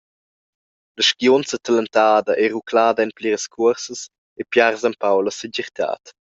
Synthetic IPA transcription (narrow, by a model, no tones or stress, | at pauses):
ləʃkjonsət̪aləntaːd̪əʔeʁukʰlaːdɛnpliʁəskʰuəɾsəs | epjaʁzampawləsɛɟɛʁt̪ʰa̰ːt̪